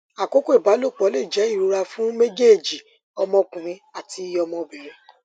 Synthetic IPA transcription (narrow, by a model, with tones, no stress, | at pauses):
a˨ko˨˦ko˦i˦˨ba˨˦lo˦˨k͡pɔ˨˦le˦˨d͡ʒɛ˨˦i˦˨ɾu˨˧ɾa˧fũ˦me˦d͡ʒe˦˨d͡ʒi˨ | ɔ˧mɔ̃˧k͡pũ˨ɾĩ˧a˦˨tʰi˧˦ɔ˧mɔ̃˧bɛ˨ɾɛ˧